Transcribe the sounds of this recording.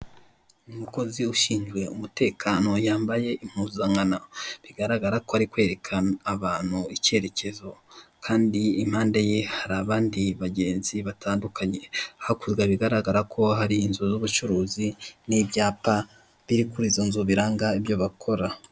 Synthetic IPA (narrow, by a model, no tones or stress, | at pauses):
umuko̞ziuʃiːnd͡ʒɡwe̞umute̞ːkʰaːnojaːmbaje̞ʔim̥huːzaŋanaβiɡaɾaɡaɾako̞haɾikwe̞ːɾe̞kʰanaβaːn̥huice̞ːɾe̞ce̞zo̞kʰaːndiːm̥haːndajehaɾaːβaːndiβaɟe̞ːnziβatʰaːndukʰaɲe̞hakuzɡaβiɡaɾaɡaɾakʰo̞ɦaɾiːnzuzuβut͡ʃuɾuːziniβjaːpa | βiɾikuɾizonzoβiɾaːŋɡaiβjo̞βakʰo̞ɾa